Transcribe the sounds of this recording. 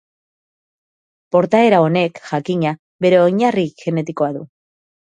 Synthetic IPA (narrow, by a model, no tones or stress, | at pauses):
po̞ɾt̪ae̞ɾao̞ne̞kʝakiɲa | βe̞ɾe̞oɲariʝe̞ne̞t̪iko̞aðu